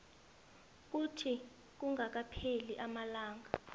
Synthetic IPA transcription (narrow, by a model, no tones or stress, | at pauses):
k̬utʰi | k̬uŋɡʱak̬apʰeliʔamalaːŋɡʱa